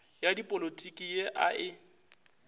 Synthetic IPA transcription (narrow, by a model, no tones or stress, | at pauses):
jadipʼolotʼikʼijeʔa̰ʔɪ